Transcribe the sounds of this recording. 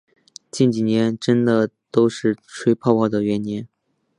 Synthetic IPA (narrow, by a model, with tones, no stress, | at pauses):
t͡ɕi˥˩nt͡ɕi˨˩njɛ˧˥nʈ͡ʂə˥nd̪ə˨t̪o˥ʊʂɻ̩˥˩ʈ͡ʂʰwe˥ɪpʰɑ˥˧ʊpɑ˥˩d̪ə˩ɥɛ˧˥njɛ˧˥n